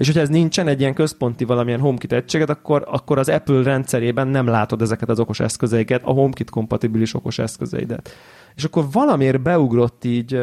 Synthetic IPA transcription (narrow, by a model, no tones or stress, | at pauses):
eːʃ̬ho̞cʰɒɛznint͡ʃɛnɛɟːijɛŋkø̞spo̞nt̪ivɒlɒmijɛnɦomkit̪ɛct͡ʃːeːɡɛt̪ɒkːo̞ɾɒkːo̞ɾɒzɛpylrɛnt̪sɛɾeːbɛnːɛmlaːt̪o̞d̪ɛzɛkɛt̪ɒzo̞ko̞ʃɛ̰skø̞zɛjikɛt̪ɒ̰ɦomkit̪ko̞mpɒt̪ibiliʃo̞ko̞ʃɛ̰skøzɛ̰ḭd̪ɛ̰t̪ | eːʃɒkːo̞rvɒlɒmeːrbɛuɡro̞t̪ːiːɟ